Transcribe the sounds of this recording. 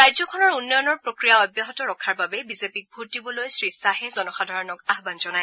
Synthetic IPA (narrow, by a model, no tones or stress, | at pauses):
ɹajzɔkʰɔnɔɹunːɔjɔnɔɹpɹokɹijaɔjbjaɦɔtɔɹɔkʰaɹbabɛbizepik̚bʱuɹtibɔlojsɹisaɦɛzɔnɔxadʱaɹɔnɔkaɦbanzɔnaj